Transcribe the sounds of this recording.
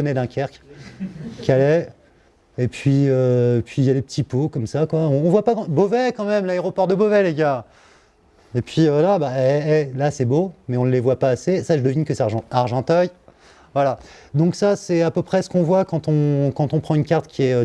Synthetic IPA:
ɔnɛd̪ɛ̃kʲʰɛʁk | kʲalɛ | epɥiøepɥijad̪epət̪ipokɔmsakwaɔ̃ːvwapãbovɛkɑ̃mɛmlaeʁɔpɔʁd̪əbovɛleɡʲa | epɥivwalabaɛɛlasɛbomɛɔ̃levwapaːsesaʒəd̪əvinkəsɛaʁʒɑ̃aʁʒɑ̃t̪œj | vwalad̪ɔ̃ksasɛapøpχɛsə̥kɔ̃vwakɑ̃t̪ɔ̃kɑ̃t̪ɔ̃pχɑ̃ynkʲaʁt̪kʲiɛø

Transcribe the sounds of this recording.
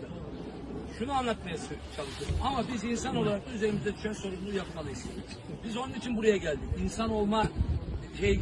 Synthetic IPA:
ʃunuanlˠat̪majasɯt͡ʃʰalˠɯʃoɾumamabizinsano̞lˠaɾak̚t̪ˠayze̞ɾimizɛd̪y̥ʃænso̞ɾumˠujapmalˠɯjɯz | bizonunit͡ʃʰinbuɾajaɟælʲd̪icinsano̞lˠmad͡ʒʰe

